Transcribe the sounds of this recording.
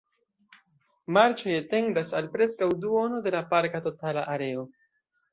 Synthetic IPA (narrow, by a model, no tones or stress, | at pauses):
maɾt͡ʃo̞jate̞ndasalpɾe̞skawduo̞no̞de̞lapaɾkato̞talaʔaɾe̞o̞